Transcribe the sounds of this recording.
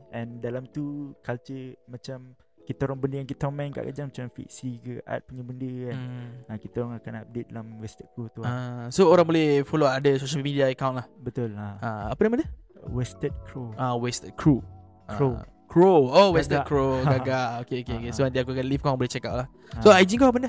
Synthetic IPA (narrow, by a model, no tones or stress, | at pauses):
ʔɛ̃ndalamt̪ukalt͡ʃəmãt͡ʃam | kit̪aoɾɔŋbəndəjaŋkit̪aɔmãŋka̰ʔka̰d͡ʒaŋmat͡ʃãfḭk̚sikəʔa̰t̪̚puɲəbəndəanakit̪aɾɔŋakana̰p̚det̪̚dalamwɛst̪ət̪̚kɾut̪uaasooɾãŋbolɛfoloadəsoʃəlmidiaəkaw̃nʔlahbət̪ʊlaaapənamadə | wɛst̪ət̪̚kʰɾoʔawest̪ət̪̚kʰɾu | kɾo | kʰɾoowɛst̪əkɾoɡaɡaokeokeokesonant̪iakuakanlifkoaŋbolɛht͡ʃɛkap̚lah | soajd͡ʒikoabəndə